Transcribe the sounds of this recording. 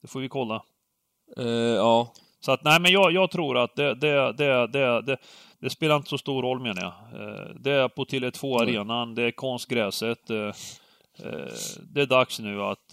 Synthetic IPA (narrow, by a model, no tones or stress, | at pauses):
d̪̥ɛfoːɾvɪkʰɔlːa | ɑː | sɔat̪næɪmɛnjɑːjɑːɡt̪ʰɾuːɾat̪̚d̪ɛd̪ɛd̪ɛd̪ɛd̪ɛ | d̪̥ɛspeːlaɾɪnt̪ə̥sɔst̪uːɾɔlːmeːnaja̰d̪ɛæɾpʰɔt̪ʰɪlɛt̪ʰvoːaɾeːnand̪ɛæɾkʰɔnst̪ɡɾɛːsət̪ | d̪ɛæɖaksnʉ̟ːa̰t̪